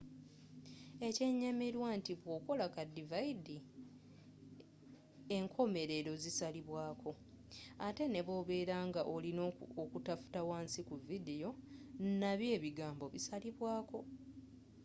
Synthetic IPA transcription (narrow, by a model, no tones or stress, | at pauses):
e̞ce̞ɲemeɾwantiβwo̞ːko̞lakadivajidi | e̞ŋkʰo̞me̞ɾe̞ɾo̞zisaliβwaːkʰo̞ | ate̞ne̞βo̞ːβe̞ːɾaŋɡaʔolinokutafu̥tawaːnsikuvidejo̞naβje̞ːβiɡaːmbo̞βisaliβwaːko̞